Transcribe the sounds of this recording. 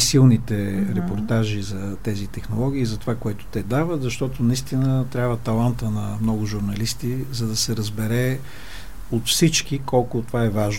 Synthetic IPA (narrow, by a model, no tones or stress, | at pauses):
silˠnit̪ɛɾɛpoɾt̪aʒizɐ | t̪ɛzit̪ɛxnolˠɔɡ̟ʲiːzɐt̪ovakoɛt̪ʊ̥t̪ɛd̪avət̪zɐʃt̪ɔt̪ʊnɐist̪inət̪ɾʲabvət̪ɐlˠant̪ənɐmnɔɡʊʒʊɾnɐlist̪izɐd̪ɐsɛɾɐzbɛɾɛ | ot̪fsit͡ʃkikɔlˠkʊt̪ovaɛvaʒ